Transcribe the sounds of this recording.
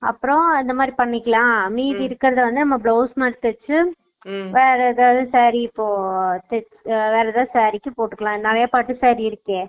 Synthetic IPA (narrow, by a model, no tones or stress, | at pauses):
ɐpːɯɾõɐnd̪ɐmaːd̪ɾipɐɳːɪkːɐɭãːmiːðɪɾɯkːɪɾɐðɯʋɐnd̪ɯnɐmːɐbɭoːsmaːʈɯt̪ːɛt͡ʃːɯ | ʋeːɾɛðaːðɯ̃saːɾiɪpːoːt̪ɛt͡ʃʋeːɾɛðãːsaːɾɪkʲːɯpoːʈːɯkːɐɭãːnɪɾɐjapaːʈːɯsaːɾiɪɾɯkːẽː